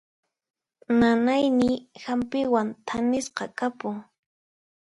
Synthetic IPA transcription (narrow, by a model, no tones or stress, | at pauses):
nanajnɪhampɪwant̪ʰanɪsqɑkapʊŋ